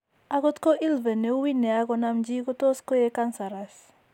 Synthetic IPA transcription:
a˦kɔ˦t̪ko˦ʔi˦lvɛ˨ne˨u˦wi˦nɛ˨a˦kɔ˨namd͡ʒi˦kɔ˦tɔ˦skɔ˦je˦ka˦nsa˨ɾas

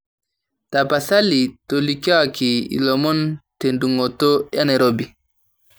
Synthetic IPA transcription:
ta˨pa˨sa˦li˨to˨li˨ka˦˨ki˨ḭ˨lɔ˨mɔ˦nte˨ndu˨ŋɔ˨to˦ja˦ne˨ɾo˦bi˨

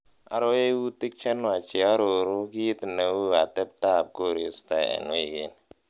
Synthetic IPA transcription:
a̰˨ɾo˦e˦wu˦ti˦k̚t͡ʃɛ˦n˦˨a˨t͡ʃi˨a˦ɾo˨ɾu˦ki˦i˦tna˨˦wu˦a˨tɛ˦p̚ta˦˨p̚ko˦˨ɾi˨˦sta˨a̰˨n˦e˦˨ɡe˦n

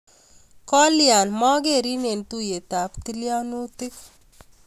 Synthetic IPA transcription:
kɔ˦lia˨nmɔ˦ɡe˦˨ɾi˦ne˨nt̪u˦je˨t̪a˨pti˦lja˦nu˦t̪ɪ˦k

